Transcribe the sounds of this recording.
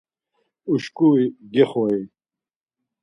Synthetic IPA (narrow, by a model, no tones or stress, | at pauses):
uʃkʼuiɡɛχɔi